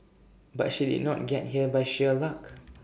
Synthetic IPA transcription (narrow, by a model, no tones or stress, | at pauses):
ba̰tʃidḭdⁿnɔ̰t̚ɡɛt̚ɦiəbajʃɛlak